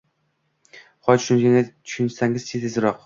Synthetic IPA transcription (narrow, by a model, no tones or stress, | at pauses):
χɒt͡ʃʃʊnkʲaŋʲat̪ʰʊ̥ʃʊnʰsaŋʲɪzt͡ʃʰet̪ʰɪzɾɒq